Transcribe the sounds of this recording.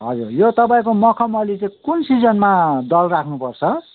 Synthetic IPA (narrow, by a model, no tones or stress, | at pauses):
ɦʌd͡zurjot̪ʌpãĩkomʌkʰʌmʌlit͡saĩkunsid͡zʌnmad̪ʌlrakʰnupʌrt͡sʰʌ